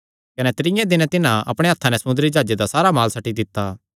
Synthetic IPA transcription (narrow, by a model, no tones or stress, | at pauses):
kɐnɛt̪ɾɪjɛ̃d̪ɪnɛt̪ɪnãɐ̰pɽ̃eat̪ʰːanɛsɐmʊ̃nd̪əɾid͡ʒaːd͡ʒed̪asaːɾamaːlsɐʈːid̪ɪt̪ːaː